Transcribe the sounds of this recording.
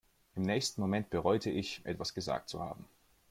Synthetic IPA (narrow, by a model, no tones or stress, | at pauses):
ʔɪmnɛːçstn̩momɛnt̚b̥əʁɔʏtʰəɪçʔɛ̰tv̥asɡ̥əza̰ːk̚tt͡sṵha̰ːbm̩